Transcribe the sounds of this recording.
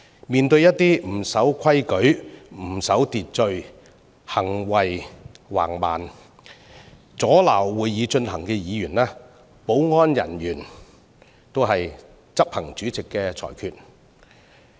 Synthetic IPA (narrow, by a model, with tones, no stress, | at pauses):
miː˨nt̪ɵ˧ɥjɐ˥t̚t̪iː˥m̩˨˩sɐ˨˥wkʰɐ˥jkɵ˨˥ɥm̩˨˩sɐ˨˥wt̪iː˨t̚t͡ʃɵ˧ɥ | hɐ˨˩ŋwɐ˨jwa̰ː˨˩ŋma̰ː˨n | t͡sɔː˨˥laː˨˩wːuː˨˧jːiː˨˧t͡ʃɵ˧nhɐ˨˩ŋkɛː˧jiː˨˧jyː˨˩nlɛː˥ | po˨˥wŋɔː˥njɐ̰˨˩njyː˨˩n | t̪o˥wɦɐ˨j | t͡sɐ˥p̚hɐ˨˩ŋt͡ʃyː˨˥t͡sɪ˨kːɛː˧t͡sʰɔ̰ː˨˩jkʰyː˨˧t̚